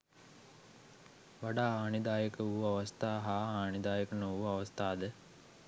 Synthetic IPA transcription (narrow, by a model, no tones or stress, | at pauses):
ʋaɖaːɦaːnid̪aːjəkəuaʋɐst̪aːɦaːaːnid̪aːjəkənouaʋɐst̪aːd̪ə